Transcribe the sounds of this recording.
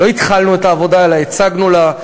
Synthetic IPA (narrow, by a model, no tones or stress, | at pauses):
o̞it̪χalnue̞taːvo̞daelaet͡saɡnula